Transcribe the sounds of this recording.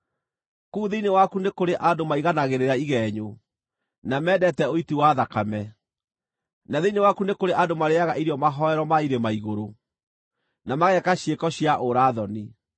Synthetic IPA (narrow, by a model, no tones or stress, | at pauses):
kuːðeinewakunekoɾeʔadomaiɣanaɣeɾeɾaiɣɛɲo | namɛːdɛtɛoitiwaðakamɛ | naðeinewakunekoɾeʔadomaɾeaɣaʔiɾjɔmaɦɔɛɾɔmaiɾemaiɣoɾo | namaɣɛkaɕjekɔɕjaʔoɾaːðɔni